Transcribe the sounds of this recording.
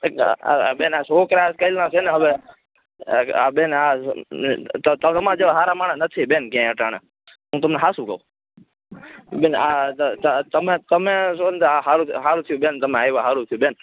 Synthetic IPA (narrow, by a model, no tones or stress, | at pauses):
a̰a̰beːnasoːkɾaːskəilnasʰeneɦəʋe | abeːna | ət̪ət̪əmãd͡ʒeʋaɦaːɾamaːɳəsnət̪ʰibenkjãəʈaɽ̃ḛ | ɦũːt̪əmnɛɦaːsũkə̰oː | benat̪t̪əmẽt̪əmesont̪aɦaːɾuɦaːɾũt̪ʰijũbent̪əmẽaːjʋaɦaːɾũt̪ʰijũbeːn